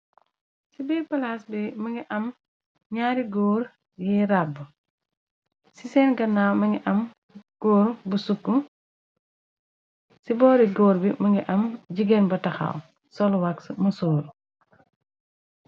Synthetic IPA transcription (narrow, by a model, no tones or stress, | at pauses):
sibɛpɐlasbimɐŋɡiʔɐm | ɲaːɾiɡɔːɾ | jiɾabːu | sisɛnɡɐnːawmɐŋɡiʔɐm | ɡ̥ɔːɾbusukːu | sibɔːɾiɡɔːɾbimɐŋɡiʔɐmɟiɡɛnbɐtɐxa̰w | sɔlwaksmɐsuːɾ